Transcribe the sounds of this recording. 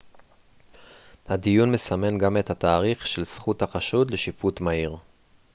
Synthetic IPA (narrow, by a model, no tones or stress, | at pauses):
hadijunme̞same̞nɡame̞thataːʁiχʃe̞lsχuthaχaʃud̪leʃiputmaiʁ